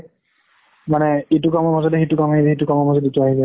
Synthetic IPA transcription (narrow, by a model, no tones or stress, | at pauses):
manɛitukamɔmazɔtɛxitukɔmaɦilɛxitukɔmɔmazɔdituaɦilɛ